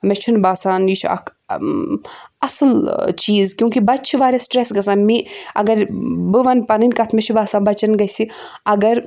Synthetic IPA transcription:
mɛt͡ʃʰunbaːsaːnjit͡ʃʰɐ̰kʰ | ɐsɨlt͡ʃiːzkjũːkibɐt̪̚t͡ʃʰiʋaːɾʲesʈɾesɡɐs̬aːnmiɐ̰ɡɐɾbɨʋɐnpɐnɨnʲkɐt̪ʰmɛt͡ʃʰubaːsaːnbɐt͡ʃɐnɡɐsi | ɐɡɐɾ

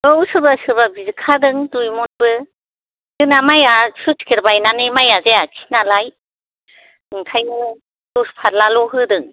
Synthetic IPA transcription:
ɯwsɯɾbasɯbabizɯkʰadɯŋdujmɔnbɯ | dɯnamajasuskʰiɾbajnanɯmajazeakʰi̥nalaj | ɯŋkʰajnɯ | dɔspʰaɾlalɔɦɯdɯŋ

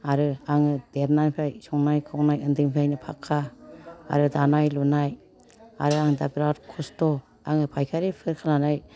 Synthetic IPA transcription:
aɾɯaŋɯd̥eɾnanpʰajsɔŋnajkʰɯwnajɯndɯŋpʰajnɯpʰa̰kʰːa̰ː | ɾɯdanajlunaj | a̰ɾɯaŋdabiɾaɾkʰustɔ | aŋɯpʰajkʰaɾipʰɯɾkʰalanaj

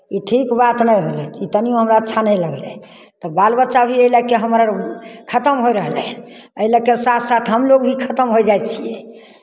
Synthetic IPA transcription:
iʈʰikbat̪nəjɦolɛit̪ənijõɦəmɾaətːt͡ʃʰanɛjləɡlɛ̰ | t̪ɔbalbətːʃabʱiəilakeɦəmɾaɾkʰət̪əmɦojɾəɦlɛn | əilakesat̪ʰsat̪ʰɦəmloɡbʱikʰət̪əmɦojd͡ʒaj̪t͡ʃʰiɛ

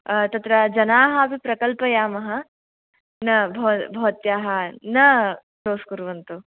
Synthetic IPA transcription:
t̪ɐt̪ɾɐd͡ʒɐnaːɦaːpipɾɐkɐlpɐjaːmɐɦɐ | nɐbʱɐʋbʱɐʋɐt̪jaːɦɐnɐ | ʃoːskuɾʋɐnt̪u

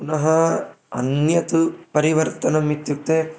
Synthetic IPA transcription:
punɐɦɐ | ɐ̰njɐt̪upɐɾiʋɐɾt̪ɐnɐmːit̪juk̚t̪e

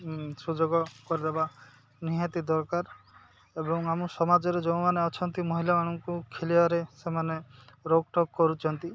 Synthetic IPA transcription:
sud͡ʒoɡɔkɔɾid̪eba | niɦat̪id̪ɔɾkaɾ | ebɔŋamusɔmad͡ʒɔɾed͡ʒɔ̃w̃maneɔt͡ʃʰɔnt̪imɔɦilamaɽ̃ɔŋkukʰeliaɾesemaneɾoɡ̚ʈɔɡkɔɾut͡ʃʰɔnt̪i

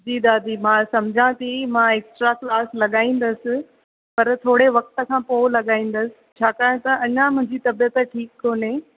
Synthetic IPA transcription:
d͡ʑiːd̪aːd̪imãːsɐmd͡ʑʱãt̪ʰimãːeːksʈɾaklaːslɐɠaːĩːn̆d̪əsɪ̆ | pɐɾt̪ʰoːɽeʋɐk̚t̪ə̆kʰãːpoːlɐɠaːĩːn̆d̪əsɪt͡ɕʰaːkaːɽ̃t̪ɐɐɲãmʊ̃ɦɪ̃ɲd͡ʑit̪ɐbijət̪ʈʰiːkːoːne

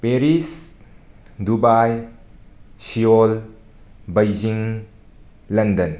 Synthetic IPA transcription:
peɾis | dubaj | sijol | bɐjd͡ʒiŋ | lɐndɐn

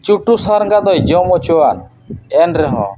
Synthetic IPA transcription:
t͡ʃuʈusaɾŋɡad̪ɔjd͡ʒɔmɔt͡ʃoan | ɛnɾɛɦɔ̰̃

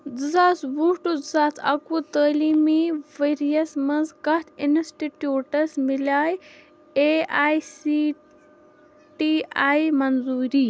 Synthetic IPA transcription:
d͡zɨzaːt͡sbuːʈud͡zɨzaːt͡sʰɐ̰kuːt̪əːliːmiʋeɾijɐsmɐnzkɐt̪ʰinsʈiʈjuːʈɐsmilaːj | eaːjsi | ʈiaːjmɐnzuːɾiː

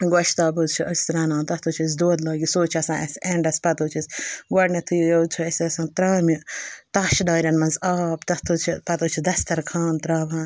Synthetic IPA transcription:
ɡɐʃʰt̪aːbozt͡ʃʰiʔɐsʲt̪ɾaːnaːnt̪ɐt̪ʰuːt͡ʃʰis̬d̪oːd̪laːɡʲisoːt͡ʃʰɐsãːʔɐseɳɖɐspɐt̪oːt͡ʃʰisʲɡɐɖnɐt̪ʰujujot͡ʃʰuɐsiɐsãːnt̪ɾaːmit̪aːʃɖaːɾʲɐnmɐnzaːpt̪ɐt̪ʰut͡ʃʰipɐt̪uːt͡ʃʰid̪ɐst̪ɐɾkʰaːnt̪ɾaːʋãːn

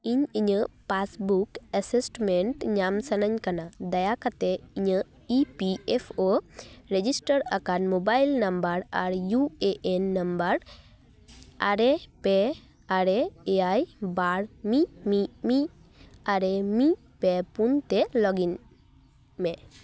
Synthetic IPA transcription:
iɲiɲəpasbukəsesʈmeɳʈɲamsanaɲkanad̪ajakat̪ɛiɲə | ipiepʰoɾed͡ʒisʈəɾakanmobajlnambəɾaɾjueʔenːambəɾ | aɾepe | aɾeeajbaɾmimimi | aɾemi | pepunt̪ɛlɔɡin | mɛ

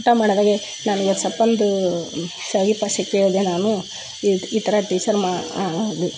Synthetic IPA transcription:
ʈːɐmaːɽd̪aːɡe | naːniʋɐsɐpːɐnd̪u | sɐʋipɐʃikːeod̪enaːnu | iit̪ɐɾɐʈiːt͡ʃɐɾmaad̪u

